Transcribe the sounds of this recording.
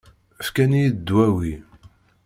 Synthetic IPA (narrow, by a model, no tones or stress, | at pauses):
æfkænijd̪ːwæwi